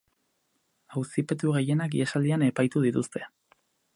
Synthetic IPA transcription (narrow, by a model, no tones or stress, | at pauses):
awsipe̞t̪uɣ̞e̞je̞nakiesald̪iane̞pajt̪uð̞it̪ust̪ʰe̞